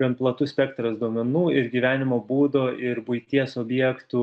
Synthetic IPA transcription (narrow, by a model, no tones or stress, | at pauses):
ɛnt̪̚plˠɐt̪uːsʲpʲɛkt̪ɾɐsd̪oɔmʲɛnuːɪɾɡʲiːʋʲæːnʲɪmoːbuːd̪oːɪɾbʊɪt̪ʲiɛsoːbʲjɛkt̪u